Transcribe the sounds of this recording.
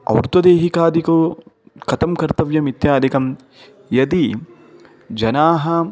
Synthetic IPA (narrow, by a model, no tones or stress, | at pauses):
ɐ̰wɾt̪wɐd̪eːɦikaːd̪iku | kɐt̪ɐmkɐɾt̪ɐʋjɐmit̪jaːd̪ikɐm | jɐd̪i | d͡ʒɐnaːɦɐ